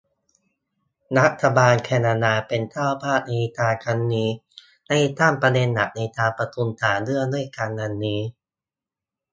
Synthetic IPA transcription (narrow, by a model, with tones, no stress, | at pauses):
ɾa˦˥t̪ʰːa˧baː˧nkʰɛː˧naː˧naː˧pe˧nt̪ʰaː˥˩pʰaː˥˩t̪̚na˧jt̪aː˧kʰa˦˥nːiː˧˥ | na˧jt̪aː˧˥˩mpɾa˧de˧nːa˨˩˦k̚na˧jt̪aː˧pɾa˧t̪ʰu˧nt̪ʰaː˩˦dɯ˥˩ədu˥˩əjka˧nːa˧nːiː˦˥